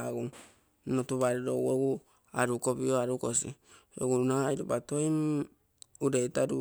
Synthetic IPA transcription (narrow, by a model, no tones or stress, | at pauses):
ɡu | notuβaɾiɾowoɡu | aɾukobioaɾukosi | o̰ɡunajɾubatoim | uɾetaɾu